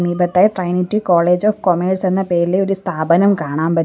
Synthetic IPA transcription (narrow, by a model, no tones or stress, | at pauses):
miːbɐt̪ːaːjʈrɐjnitːikoːɭeːd͡ʑoːfkomeːɖse̞nːɐpe̞ːɾileo̞ɾust̪ʰaːbɐnɐmkaːɳaːmpɐ